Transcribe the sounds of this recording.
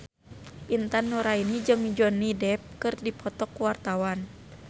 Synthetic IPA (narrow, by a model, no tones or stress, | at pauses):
ʔint̪anːuɾainid͡ʒɨŋd͡ʒɔnːidɛp̚kɨrdipʰɔt̪ɔkuwart̪awan